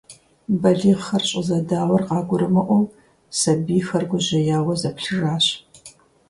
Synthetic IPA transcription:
bɐɮiːʁɐrɕʼɪzɐdaːwɐrqɑːɡʷʊɾɨmɐʔʷɔw | sɐbiːfɐrɡʷʊʑɪjaːwɐzɐpɬɨraːɕ

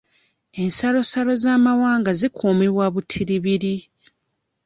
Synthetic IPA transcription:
e̞nsalo̞salo̞zaːmawaːŋɡazikʰoːmeβwaβutʰiɾiβiɾi

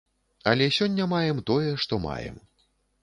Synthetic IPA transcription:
ɐlʲɛsʲɔnʲːɐmajɛmt̪ɔjɛʂt̪ɔma̰jɛ̰m

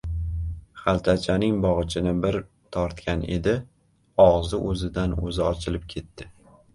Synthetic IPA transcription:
χalˠt̪ʰat͡ʃʰanɪŋbɒʁɨt͡ʃʰɪnɪbɪɾ | t̪ʰɒɾt̪kʲane̞̰d̪ɪ | ɒʁzɪʔɵzɪd̪anɵzɪɒt͡ʃʰɪlɪp̚kʲʰe̞t̪ːɪ

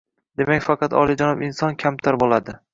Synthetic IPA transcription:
d̪̥e̞makʲfɑqʰɑt̪ɒ̰lˠɪd͡ʒanɒbɪnsɒnkʲʰamt̪ʰaɾbolˠad̪ɪ

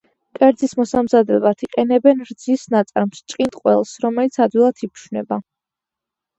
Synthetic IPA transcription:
kʼɛɾd̪zismɔsamzad̪ɛlat̪ʰiqʼɛnɛbɛnɾd̪zisnat̪sʼaɾmst͡ʃʼqʼint̪ʼqʼwɛ̰lˠsɾɔmɛlit̪sʰad̪wilˠat̪ʰipʰʃwnɛba

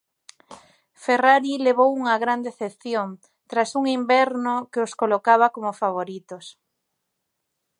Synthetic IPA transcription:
feraɾileβ̞owuŋaɣɾand̪eθepθjoŋ | t̪ɾasuŋimbɛɾnokeoskolokaβ̞akomofaβ̞oɾit̪os

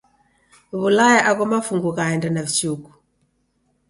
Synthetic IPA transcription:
βulajaʔakɔmafuŋɡukaɛndanaβit͡ʃuku̥

